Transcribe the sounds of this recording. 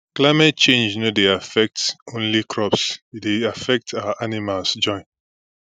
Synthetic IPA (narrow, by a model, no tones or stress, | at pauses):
klaɪmɛt̚t͡ʃẽnd͡ʒnodeafɛk̚tõnlikʰɹɔpsideafɛk̚tʰawaʔanimalsd͡ʒɔ̃ɪ̃n